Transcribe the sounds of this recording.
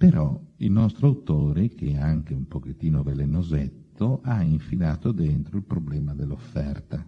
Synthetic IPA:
peɾɔilnɔst̪ɾoawt̪oːɾek̟eaŋk̟eumpoket̪ːiːnovelenozɛt̪ːoʔaiɱfilaːt̪od̪ɛnt̪ɾoilpɾoblɛːmad̪elːofːɛrt̪a

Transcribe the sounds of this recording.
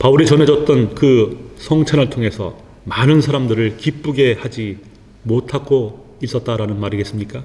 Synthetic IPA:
pauɾit͡ɕʌnɦe̞d͡ʑʌt̚t͈ʌnkɯsʰʌŋt͡ɕʰanɯɭtʰoŋe̞sʰʌ̰ | manɯnsʰaɾamdɯɾɯɭkip͈uɡe̞had͡ʑi | motʰaɡo | is͈ʌt̚t͈aɾanɯnmaɾiɡe̞s͈ɯmɲik͈a

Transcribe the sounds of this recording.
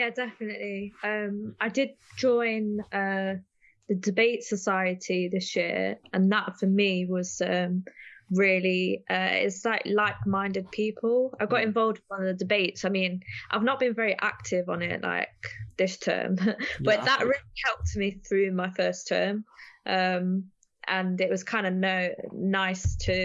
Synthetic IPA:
jædɛfənəʔliʌ̃maɪdɪd̚d͡ʒɔ̃ɪ̃nʌ | ðədɪbeɪtsəsaɪətʰiðɪsjɪəɹə̃nðətfəmiwɒz̥ʌ̃mɹɪːəliʔʌɪ̰tslaɪklaɪk̚mãɪ̃ndɪd̚pʰiˑpʰəlˠaɪɡɒɾɪ̃ɱvɒlˠvdn̩ðədɪbeɪtsaɪmĩnʔaɪvnəʔ̚b̥ɨ̃nvɛɹiʔa̰k̚tʰɪvn̩ɪʔla̰ɪk̚ðɪstʰɜ̰ːmb̥ʌʔ̪̚ðəʔɹɪlihɛlˠp̚tmiθɹʉmaɪfɜˑstʰɜ̰ːmʔʌ̃m | ʔə̃nɪʔwɒz̥kʰãɪ̃ndənəʊnaɪstʰɨ

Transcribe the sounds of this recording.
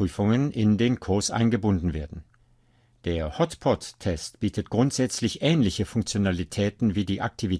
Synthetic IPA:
yːfʊŋənʔɪndeːnkʰʊɐsʔa̰ɪnɡəbʊndn̩veːɐdn̩ | d̥eːɐhɔtpʰɔtʰːɛstb̥iːtʰət̚ɡ̥ʁʊntz̥ɛt͡slɪçʔɛːnlɪçəfʊŋkt͡sjonalitʰɛːtn̩viːdiːʔak̚tʰivi

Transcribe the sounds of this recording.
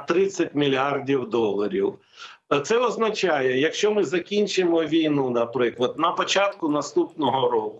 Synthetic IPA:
t̪ɾɪt͡sʲːɐtʲmʲilʲardʲiwd̪ɔlˠɐɾʲḭw | t̪sɛɔznɐt͡ʃajɛjɐkʃt͡ʃɔmɪzɐkʲinʲt͡ʃɪmɔʋʲijnunɐpɾɪklˠɐd̪nɐpɔt͡ʃɑt̪kʊnɐst̪upnɔɦɔɾɔkʊ

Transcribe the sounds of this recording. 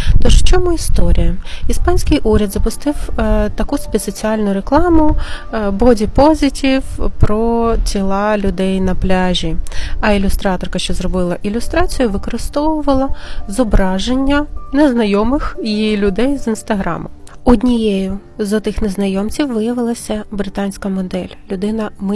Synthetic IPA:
t̪ɔʃt͡ʃɔmuist̪ɔɾʲijɐispɑnʲsʲkɪjʔuɾʲɐd̪zɐpʊst̪ɪwt̪ɐkusʲpʲisɔt͡sʲiɑlʲnʊɾeklˠɑmʊ | bɔdʲipɔzʲitʲiwpɾɔt͡sʲilˠɑlʲʊd̪ɛjnɐplʲɑʒʲiɐilʲʊst̪ɾɑt̪ɔrkɐʃt͡ʃɔzrɔbɪlˠɐʔilʲʊst̪ɾɑt͡sʲijʊʋɪkɔɾɪst̪ɔʋʊʋɐlˠɐzɔbɾɑʒenʲːɐneznɐjɔmɪxjiilʲʊd̪ɛjzinst̪ɐɦɾɑ̰mʊ̰ | ɔdʲnʲijɛjʊ | zɐt̪ɪxneznɐjɔmt͡sʲiwʋɪjɐʋɪlˠɐsʲɐbɾɪt̪ɑnʲsʲkɐmɔd̪ɛlʲɐlʲʊd̪ɪnɐmɪ

